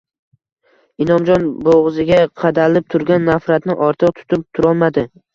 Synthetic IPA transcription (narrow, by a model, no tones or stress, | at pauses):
ɪnɒmd͡ʒɒnboʁzɪɡʲaqʰɑd̪alɪp̚t̪ʰʊɾɡʲanːafɾat̪nɪʔɒɾt̪ʰɨqt̪ʰʊ̥t̪ʰɪp̚t̪ʰʊɾɒlˠmad̪ɪ